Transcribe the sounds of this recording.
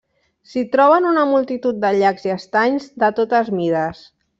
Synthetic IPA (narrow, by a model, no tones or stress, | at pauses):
sit̪ɾɔβ̞ənunəmulˠt̪it̪ut̪̚d̪əʎakziəst̪aɲzd̪ət̪ot̪əzmiɾəs